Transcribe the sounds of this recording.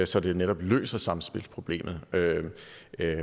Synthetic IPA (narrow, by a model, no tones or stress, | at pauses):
sɒ̽d̥e̝neɾ̥ɒ̽b̥lø̰ːsɐsɑ̈msb̥e̝lspʰʁo̝b̥le̝̰ːmð̩ˠø